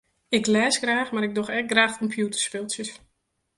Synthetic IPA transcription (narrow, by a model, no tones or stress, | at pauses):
ɪklɛːsɡraːxmaɾɪɡ̚dɔxɛɡraːxkʰɔmpʰjutərspɪlˠsjəs